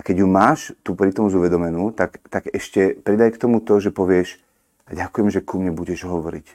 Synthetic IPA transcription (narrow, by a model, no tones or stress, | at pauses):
akɛɟjumaːʃt̪uːpɾit̪ɔmzuʋɛd̪ɔmɛnuːt̪akt̪aɡɛʃcɛpɾid̪ajkt̪ɔmut̪ɔʒɛpɔʋɪɛʃ | ɟakujɛmʒɛkumɲɛbuɟɛʒɦɔʋɔɾḭc